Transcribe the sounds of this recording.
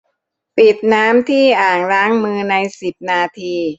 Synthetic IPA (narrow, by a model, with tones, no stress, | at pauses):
pi˨˩t̪̚naː˦˥mt̪ʰiː˥˩ʔaː˨˩ŋɾaː˦˥ŋmɯː˧na˧jsi˨˩p̚naː˧t̪ʰiː˧